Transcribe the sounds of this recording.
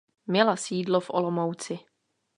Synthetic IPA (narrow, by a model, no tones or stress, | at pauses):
mɲɛlasiːdlofʔolomowt͡sɪ